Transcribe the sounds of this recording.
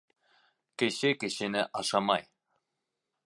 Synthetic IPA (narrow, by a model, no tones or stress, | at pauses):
kɘ̆ɕɘkɘ̆ɕɘ̆nɘʔɑʃɑmɑj